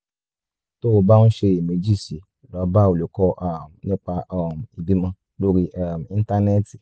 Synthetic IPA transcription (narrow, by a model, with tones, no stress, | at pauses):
to˦o˧ba˦nũ˦ʃe˧˨me˨˧˦d͡ʒi˦˨si˨˦˨lɔ˨˦ba˦˨o˨lo˨˦kɔ˧ʔa˦˨m˨nĩ˦k͡pa˧a˦˨m˨i˨bi˨˦mã˧˦ | lo˦ɾi˦ʔa˦˨m˨ĩ˦˧n̩˦ta˧nɛ˦˨ti˨